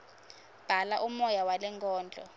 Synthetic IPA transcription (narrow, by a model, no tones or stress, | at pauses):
b̥ʱalaʔumɔjawalɛŋkʼɔːnd͡ɮʱʼɔ̰